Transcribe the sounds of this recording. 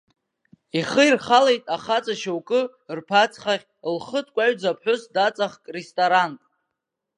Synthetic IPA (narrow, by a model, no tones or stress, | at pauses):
iχəirχalejtʼaχat͡sʼaʃawkʼɨ | rpʰat͡sʰχaʁʲ | lχətʰʼkʷʼaɥd͡zapʰħʷᶣʊsdat͡sʼaχkʼrestʼoɾantʼ